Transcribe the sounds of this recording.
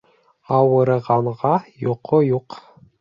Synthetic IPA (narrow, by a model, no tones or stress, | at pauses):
ɑwɤ̆ɾɤ̆ʁɑɴʁɑjoqʰojuq